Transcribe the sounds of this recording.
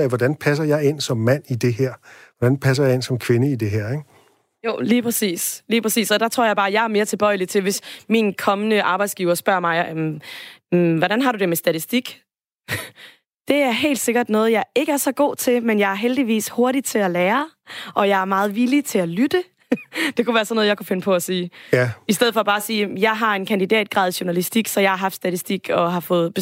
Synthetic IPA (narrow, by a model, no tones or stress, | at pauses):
æʋɒd̥ænpʰæs̬ɐjɑ̈ɪe̝n̰sɒ̽mːæn̰id̥e̝ɦɛɐ̰ʋɒd̥ænpʰæs̬ɐjɑ̈e̝nsɒ̽mkʰʋenəid̥e̝ɦɛɐ̰eɡ̥ | jo̰ːliːpʰʁɛsḭːsliːpʰʁɛsḭːsɒ̽d̥ɑ̈t͡sʰʁo̝ɐ̰jɑ̈ɪbɑ̈ːjɑ̈ɪæɐme̝ːɐt͡sʰe̝lb̥ɒ̽ɪlit͡sʰe̝lʋe̝sminkʰɒ̽mənəʔɑ̈ːb̥ɑ̈ɪd̥sɡ̥iːʊɐsb̥ɶɐ̰mɑ̈ɪm | ʋɒɾænɦɑ̈ɾud̥e̝mesd̥æt͡sʰisd̥iɡ̥ | d̥e̝æɐɦe̝̰ːld̥se̝ɡ̥ɐd̥nɔ̽ːð̞̩ˠjɑ̈ɪe̝ɡ̥əæɐsɒ̽ɡ̥o̝̰ːt͡sʰe̝lmenjɑ̈ɪæɐɦeld̥iʋḭːsho̝ɐɾit͡sʰe̝læleːɐ | ʔɒ̽jɑ̈ɪæɐmɑ̈ːð̩ˠʋilit͡sʰe̝ælyd̥ə | d̥e̝kʰuʋæːɐsɒ̽nːɔð̩ˠjɑ̈ɪkʰufe̝nəpʰɒ̽æsiːisd̥eð̩̰ˠfɒ̽b̥ɑ̈ːsiːjɑ̈ɪɦɑ̈e̝nkʰænd̥id̥ɛ̰ːd̥̚ɡ̥ʁɑ̰ðˠɕunælisd̥iɡ̥sɒ̽jɑ̈ɪhɑ̈ɦɑ̈fd̥sd̥æt͡sʰisd̥iɡ̥ɒ̽ɦɑ̈fɔ̽ːð̞̩ˠb̥e